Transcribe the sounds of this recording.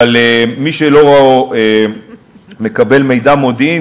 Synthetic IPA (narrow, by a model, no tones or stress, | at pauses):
alemiʃelo̞ʁaoe | me̞kabe̞lme̞jd̪amo̞d̪i